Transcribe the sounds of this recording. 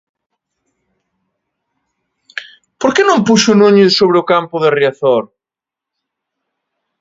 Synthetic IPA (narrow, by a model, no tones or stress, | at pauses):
poɾkenõmpuʃʊnũɲʊsoβɾeokampʊðerjaθoɾ